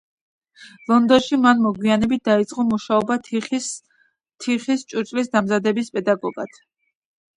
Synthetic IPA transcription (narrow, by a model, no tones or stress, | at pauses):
lˠɔnd̪ɔnʃimanmɔɡwianɛbit̪̚d̪ait̪sʼqʼɔmuʃaɔba | t̪ʰiχist͡ʃʼuɾt͡ʃʼlis̬d̪amzad̪ɛbispʼɛd̪aɡɔɡat̪ʰ